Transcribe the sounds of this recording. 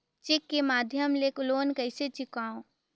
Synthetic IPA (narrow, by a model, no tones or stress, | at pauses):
t͡ʃɪkːemaːd̪ʱjəmlekʊloːnkəɪset͡ʃɪkaːõ